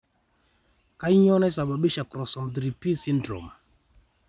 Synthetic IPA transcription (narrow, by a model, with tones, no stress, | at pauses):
ka˦i˦ɲɔ˦nɛ˦sa˨ɓa˨ɓi˦ʃa˨kɾɔ˨sɔ˨m˨dɾi˨pi˦si˦n˦dɾo̰˨m˨